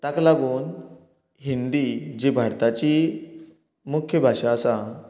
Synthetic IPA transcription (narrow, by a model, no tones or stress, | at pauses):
t̪aklaɡuːn | ɦind̪id͡ʑibʱaɽt̪at͡ɕi | mukʰjəbʱaʂaːsa